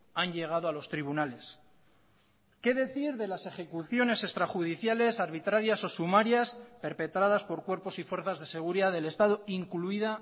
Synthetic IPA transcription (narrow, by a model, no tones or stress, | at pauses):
anʎe̞ɣ̞aðoalo̞st̪ɾiβ̞unale̞s | ke̞ðe̞θiɾðe̞lase̞χe̞kuθjo̞ne̞se̞st̪ɾaxuðiθjale̞saɾβ̞it̪ɾaɾjaso̞sumaɾjaspe̞ɾpe̞t̪ɾaðaspo̞ɾkwe̞ɾpo̞sifwe̞ɾθazðe̞se̞ɣ̞uɾiðaðe̞le̞st̪að̞oiŋkluiða